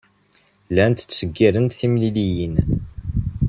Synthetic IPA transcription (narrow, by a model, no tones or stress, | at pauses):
lænt̪t͡sːsəɡːiɾənt̪θimlilijin